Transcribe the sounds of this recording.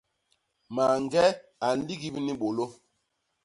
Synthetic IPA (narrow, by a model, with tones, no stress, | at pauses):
ma˨ŋ˨ɡɛ˦a˨n̩˨˦li˦ɡi˦bni˦ɓo˨lo˦